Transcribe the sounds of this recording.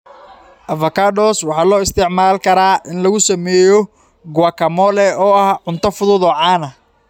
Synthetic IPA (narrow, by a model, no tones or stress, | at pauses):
ʔɐvɐkʰaːɖɔswɑħɑːlɔːɪst̪ʰɪʕmaːlkʰɐɾaːʔɪnlɐɣʊsɐmɛːjɔ | ɡʊwɐkʰɐmɔːlɛɔːɐhʕʊnt̪ʰɐfʊðʊːðɔːʕɑːnɐ